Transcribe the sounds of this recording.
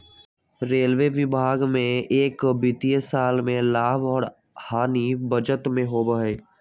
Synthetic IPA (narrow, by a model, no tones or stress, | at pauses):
ɾeːlʋeʋɪbʱaːɡmẽeːkbiːt̪iesaːlmẽlaːbɔːɾ | haːnibəd͡ʒət̪mẽɦobəɦeː